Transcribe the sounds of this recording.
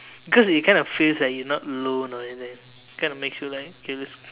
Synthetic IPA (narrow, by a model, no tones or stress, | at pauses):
bikɔsit̚kãɪ̃ndɔfilslat̚junɔtlõnɔɛitɛ̃ŋ̚ | kãɪ̃nɔmeksjulaɪkokʰelis